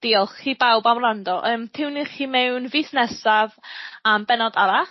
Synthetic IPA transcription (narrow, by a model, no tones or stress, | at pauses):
d̥iːlˠχiːbawbamrandɔʔəːmtʰɪwniχiːmɛwnviːθnɛsavambɛnɔdaɾa